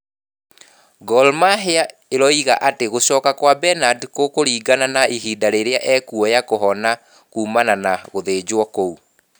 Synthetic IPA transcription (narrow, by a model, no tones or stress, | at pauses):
ɡɔlmaɦea | eɾɔiɣaʔateɣosɔːkakwabɛnadkokoɾiːɡananaiɦidaɾeɾeaʔɛːkuɔjakoɦɔna | kuːmananaɣoðed͡ʑwɔkou